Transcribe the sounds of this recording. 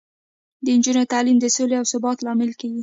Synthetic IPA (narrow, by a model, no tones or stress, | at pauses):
d̪ənd͡ʒunot̪alimd̪əsoleawsʊbɑt̪lɑmɪlkaɡi